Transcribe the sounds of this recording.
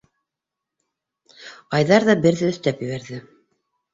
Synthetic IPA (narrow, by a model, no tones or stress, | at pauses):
ɑjðɑɾðɑbɘ̆ɾðɘɵ̆θt̪æpjɘ̆βæɾðɘ